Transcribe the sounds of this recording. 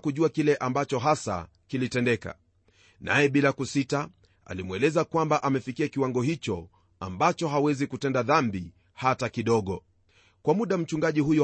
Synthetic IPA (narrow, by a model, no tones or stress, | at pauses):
kuʄuakilɛʔambat͡ʃɔɦasa̰ | kilitɛndɛka̰ | na̰jɛɓilakusita | a̰limwɛlɛzakwambaʔamɛfikiakiwaŋɡɔhit͡ʃɔ | a̰mbat͡ʃɔɦawɛzikutɛndaðambi | hatakiɗɔɠɔ | kwamuɗam̩t͡ʃuŋɡaʄihujɔ